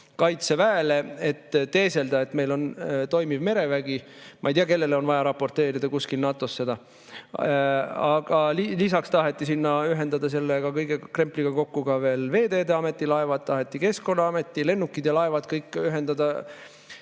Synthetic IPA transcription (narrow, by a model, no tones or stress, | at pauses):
kɑjt̪sevæelee̞t̪ːt̪e̞ːse̞ld̪ɑe̞t̪me̞jlo̞nt̪o̞jmivme̞ɾe̞væɡ̥i | mʔɑ̰ejd̪ijɑke̞lːe̞leo̞nvɑjɑɾɑpːo̞rt̪e̞ːɾid̪ɑkuskilnɑt̪ːˑo̞sːe̞d̪ɑ | ɑɡ̥ɑllisɑkst̪ɑɦe̞t̪ːˑisinːɑyɦe̞nd̪̥ɑd̪̥ɑs̬e̞lːeɡ̥ɑkɤjɡ̥ekre̞mpliɡ̥ɑko̞kːuɡ̥ɑve̞ːlve̞ːd̪e̞ːd̪eɑme̞t̪ˑːilɑevɑd̪̚t̪ɑɦet̪ːˑike̞sko̞nːɑɑme̞t̪ːˑile̞nːukːˑid̪̥jɑlɑe̞vɑd̪̥kɤjkːˑyɦe̞nd̪ɑd̪ɑ